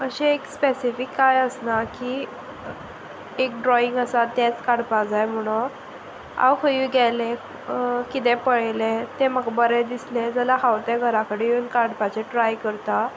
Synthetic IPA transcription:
əɕeekspesifikːajəsnaki | ek̚ɖɾɔiŋɡəsat̪jet͡skaɽpad͡zajm̤əɽ̃o | a̰wkəiɡɛle | kit̪ẽpəɭlet̪ẽməɡbəɾed̪isled͡zəlaɦawt̪ẽɡʱəɾakəɽejeunkaɽpat͡ɕeʈɾajkəɾt̪a

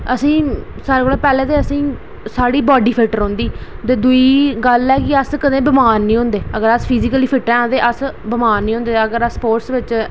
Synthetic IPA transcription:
əsĩː | saːɾeːkolaːpɛːlɛ̃ːt̪eːəsĩː | saːɽiːbɔːɖiːpʰɪlʈəɾɦõːnd̪iːt̪eːd̪ʊiːɡəlɛːkɪəskəd̪ẽːbəmaːnːĩːɦõnd̪eːəɡəɾəspʰiziːkəliːpʰɪʈɾɛ̃ːõːnd̪eːʔəsbəmaːnːĩːɦʊ̃nd̪eːəɡəɾəsːpoːɾʈsʋɪt͡ʃ

